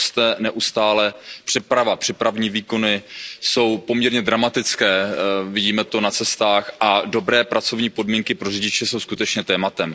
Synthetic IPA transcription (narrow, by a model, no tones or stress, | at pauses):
st̪ɛnɛʔust̪aːlɛpr̝̥ɛpɾavapr̝̥ɛpɾavɲiːviːko̞nɪso̞wpo̞mɲɛɾɲɛd̪ɾamat̪ɪt͡skɛːvɪɟiːmɛt̪o̞nat͡sɛst̪aːxʔado̞bɾɛːpɾʔat͡so̞vɲiːpo̞dmiːŋkɪpɾo̞rɪɟɪt͡ʃɛso̞wskut̪ɛt͡ʃɲɛt̪ɛːmat̪ɛm